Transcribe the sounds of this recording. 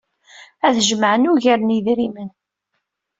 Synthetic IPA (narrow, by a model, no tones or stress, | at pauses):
æðʒəməʕənuʝaɾniðɾimən